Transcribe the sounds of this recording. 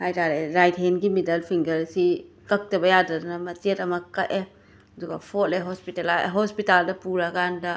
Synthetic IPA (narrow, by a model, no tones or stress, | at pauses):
hajtaɾeɾajtɦenɡimidɐlpʰiŋɡɐɾsi | kɐk̚tɐbɐjadɐdɐnɐmɐt͡ʃetɐmɐkɐʔe | ɐduɡɐ̰pʰot̚eɦospitelaɦospitaldɐpuɾɐɡandɐ